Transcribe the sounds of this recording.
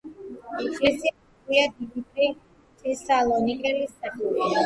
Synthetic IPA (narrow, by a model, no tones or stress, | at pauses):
kɛsi | iad̪ibit̪ʼɾi | ɛsalˠɔnikʼɛlist̪ʼat̪ʼili